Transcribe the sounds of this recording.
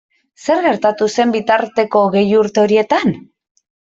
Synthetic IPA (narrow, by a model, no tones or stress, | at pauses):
se̞ɾɣe̞ɾt̪at̪use̞mbit̪aɾt̪e̞ko̞ːɣe̞juɾt̪e̞o̞ɾie̞t̪an